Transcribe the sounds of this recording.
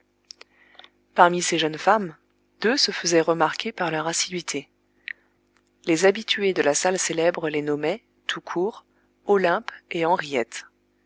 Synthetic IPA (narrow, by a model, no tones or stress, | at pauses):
paʁmiseʒənfam | d̪̥øsəfəzɛʁəmaʁkʲepaʁlœʁasid̪ɥit̪ʰe | lezabit̪yed̪əlasalselɛbʁəlenɔmɛ | t̪ʰukʰuːʁ | ɔlɛ̃peɑ̃ʁijɛt̪